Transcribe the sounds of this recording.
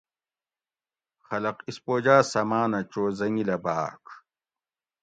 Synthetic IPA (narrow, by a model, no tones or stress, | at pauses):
xɐlɐqispoːd͡ʑaːsɐmaːnɐt͡ɕoːzɐŋɡilɐbaːk